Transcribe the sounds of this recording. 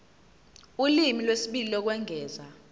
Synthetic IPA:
ulimilwesiɓililɔk̬wɛŋʱɛːza

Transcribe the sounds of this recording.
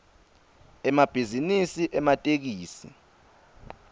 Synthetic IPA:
ɛmab̥ʱizinisiʔɛmatʼek̬iːsi

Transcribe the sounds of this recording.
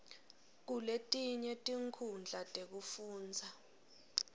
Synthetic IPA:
k̬uletʼiɲɛtʼiŋkʰund͡ɮʱatʼek̬ufuːnd͡zʱa

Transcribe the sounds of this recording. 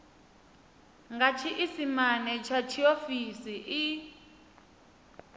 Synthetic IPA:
ŋɡat͡ʃʰiʔisimanɛt͡ʃʰat͡ʃʰiofisiʔi

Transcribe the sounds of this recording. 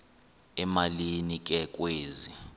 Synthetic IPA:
ɛmalinik̬ʼɛk̬ʼweːzi

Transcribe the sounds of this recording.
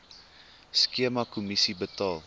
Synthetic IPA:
skiəmɐkumisibətɑːl

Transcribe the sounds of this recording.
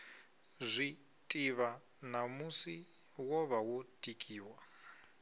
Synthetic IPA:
zʷi | tʼiβa | namusi | wɔβawotʼikʼiːwa

